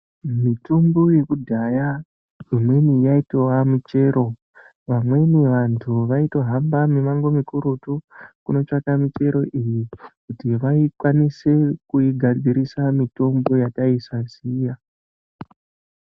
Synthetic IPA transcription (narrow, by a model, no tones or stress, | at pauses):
mitumboje̞kudʱaja | imwe̞nijaito̞wamit͡ʃe̞ɾo̞ | ʋamwe̞niʋantʰuʋaito̞ɦambamimaŋɡo̞mikuɾutukuno̞t͡ʃakamit͡ʃe̞ɾo̞ʔijikutiʋaikwanise̞kuiɡʱad͡zʱiɾisamito̞mbo̞jataisaziːja